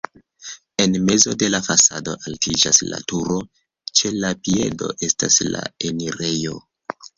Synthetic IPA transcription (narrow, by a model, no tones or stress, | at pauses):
e̞nme̞zo̞de̞lafasado̞ʔaltid͡ʒasla̰tuɾo̞ | t͡ʃe̞lapie̞̰do̞̰ʔe̞sta̰sla̰eniɾe̞jo̞